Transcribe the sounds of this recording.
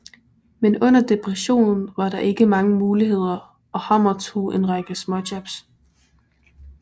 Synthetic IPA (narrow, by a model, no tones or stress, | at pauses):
menɔ̽n̰ɐd̥e̝pʰʁɛɕo̝̰ːnn̩ʋɑ̈ɾ̥ɑ̈ʔe̝ɡ̥əmɑ̈ŋəmuːliɦe̝ð̞̰ˠɐ | ɒ̽hɑmɐt͡sʰo̝̰ʔe̝nʁɑ̈ɡ̥əsmɒ̽dæb̥s